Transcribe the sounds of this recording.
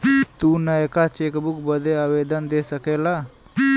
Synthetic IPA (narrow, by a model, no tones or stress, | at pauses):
t̪uːnəjkat͡ʃeːkbukbəd̪ʱeaʋeːd̪ənd̪esəkeːlaː